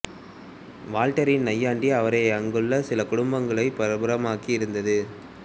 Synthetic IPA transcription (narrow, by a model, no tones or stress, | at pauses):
ʋaːlʈɐɾɪnnɐjːaːɳɖiɐʋɐɾɐɐŋɡɯɭlːɐsɪlɐkʊɽʊmbɐŋɡɐɭɐɪpɐɾɐbɐɾɐmaːkiɪɾɯnd̪ɐðɯ